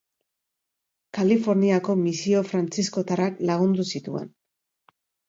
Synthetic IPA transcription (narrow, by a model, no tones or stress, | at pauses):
kalifo̞ɾniako̞misio̞fɾant͡sisko̞t̪aɾaklaɣ̞und̪usit̪ue̞̰n